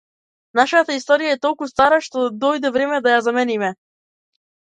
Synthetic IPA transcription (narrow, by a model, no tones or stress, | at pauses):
naʃat̪aist̪ɔɾijaɛt̪ɔlˠkust̪aɾaʃt̪ɔd̪ɔjd̪ɛvɾɛmɛd̪ajazamɛnimɛ